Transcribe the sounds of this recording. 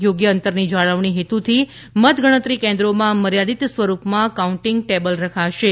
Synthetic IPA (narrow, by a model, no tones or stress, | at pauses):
joɡjəənt̪əɾnid͡ʒaɭəʋɳ̃iɦet̪ut̪ʰi | mət̪ɡʱəɽ̃ət̪ɾikẽnd̪ɾomãməɾjad̪it̪sʋəɾupmãkauɳʈɪŋɡ̚ʈebəlɾəkʰaʃe